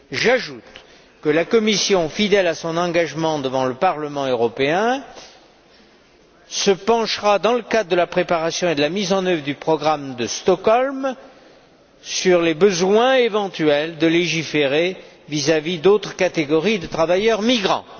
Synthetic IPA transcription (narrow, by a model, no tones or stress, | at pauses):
ʒaʒut̪ | kəlakɔmisjɔ̃fid̪ɛlasɔ̃nɑ̃ɡaʒmɑ̃d̪əvɑ̃ləpaʁləmɑ̃øʁɔpeɛ̃ | səpɑ̃ʃʁad̪ɑ̃ləkad̪ʁd̪əlapχepaʁasjɔ̃ed̪əlamizɑ̃nœvʁəd̪ypχɔɡʁamd̪əst̪ɔkɔlm | syʁlebəzwɛ̃evɑ̃t̪yɛld̪əleʒifeʁe | vizavid̪ot̪χəkat̪eɡɔʁid̪ət̪χavajœʁmiɡʁɑ̰̃